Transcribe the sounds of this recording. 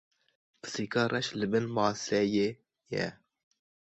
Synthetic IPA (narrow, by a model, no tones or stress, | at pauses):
pɨ̥siːkɑːrʔɛʃlɨbɨnmɑːsɛjeː | jɛ̰